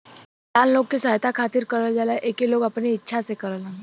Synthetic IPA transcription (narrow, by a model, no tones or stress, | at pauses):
laːlloːɡ̚kisaːɦt̪akʰaːt̪ɪɾkɐɾəld͡ʒəleʔeːkiloːɡɐpniɪtːʃʰasekɐɾəlẽ